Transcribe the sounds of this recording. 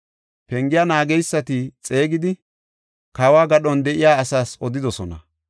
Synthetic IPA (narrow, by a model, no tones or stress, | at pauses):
pɛŋɡɪjaːnaːɡɛjsːɐt̪ɪt͡sʼe̞ːɡɪd̪ɪ | kawaːɡɐɗɔnd̪ɛʔɪjaːsaːsɔd̪ɪd̪ɔsɔnɐ̰